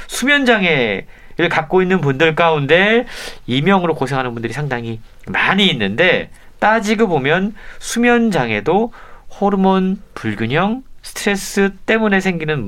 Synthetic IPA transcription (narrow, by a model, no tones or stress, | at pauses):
sʰumjʌnd͡ʑaŋe̞ | ɾɯɭkak̚k͈oinːɯnp̬undɯɭk͈aunde̞imjʌŋɯɾokosʰeŋɦanɯnbundɯɾisʰaŋdaŋi | maɲiːnːɯnde̞ | t͈ad͡ʑiɡobomjʌnsʰumjʌnd͡ʑaŋe̞dohoɾɯmʌnpuɭɡʲuɲʌŋsʰɯ̥tʰɾe̞s͈ɯt͈e̞mune̞sʰe̞ŋɡinɯn